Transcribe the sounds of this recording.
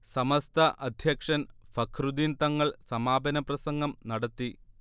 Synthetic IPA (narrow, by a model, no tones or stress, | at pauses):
sɐmɐst̪ʰɐʔɐd̪ʱjɐkʂɐnfɐkʰrud̪int̪ɐŋːɐɭsɐmaːbʱɐnɐprɐsɐŋɡɐmnɐɽɐt̪ːi